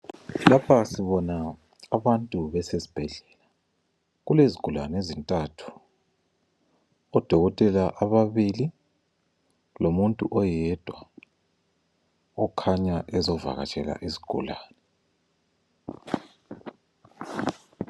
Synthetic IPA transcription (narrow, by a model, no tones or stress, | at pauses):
lapʰasiβɔnaː | βantʼuβɛsezi̥b̥ʱɛɮɛla | ɣuleziɡ̥ʱula̰nezintʼatʰu̥ | ɔd̥ʱɔɣɔtʼɛlaʔaβaβili | lomuntʼuʔɔjɛd̥ʱwa | ɔkʰaɲaʔɛzɔva̰ɣa̰t͡ʃʼɛla̰ʔizi̥ɡ̥ʱṵlaːnɛ